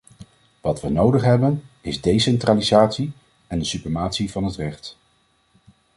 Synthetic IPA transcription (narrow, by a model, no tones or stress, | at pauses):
ʋɑtʋənowdəχɦɛbənɪzdejsɛntraːlizaːtsi | ɛndəsyprəmaːtsivɑnɦətrɛχt